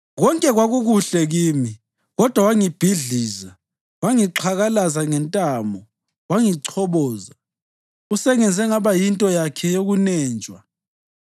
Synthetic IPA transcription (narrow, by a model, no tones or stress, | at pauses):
ɣɔŋkʼɛɣwaɣuɣuɬɛɣiːmi | ɣɔd̥ʱwawaŋib̥ʱiɮiːza | waŋiǁʰaɣalazaŋɛntʼaːmɔ | waŋiǀʰɔβɔːza | usɛŋɛnd͡zʱɛŋaβajintʼɔjakʰɛjoɣunɛːnt͡ʃʼwa